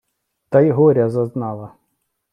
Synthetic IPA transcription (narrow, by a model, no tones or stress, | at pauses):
t̪ɐjɦɔɾʲɐzɐznɑlˠɐ